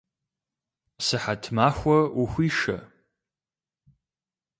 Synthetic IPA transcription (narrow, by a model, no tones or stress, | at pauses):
sɨħatʰmaːxʷɐuxʷiːʂɐ̰